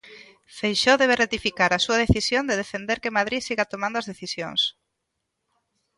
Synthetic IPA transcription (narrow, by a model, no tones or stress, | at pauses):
fejʃoðeβ̞eret̪ifikaɾasuað̞eθisjond̪eð̞efend̪eɾkemaðɾisiɣat̪omãnd̪oazðeθisjo̰ŋs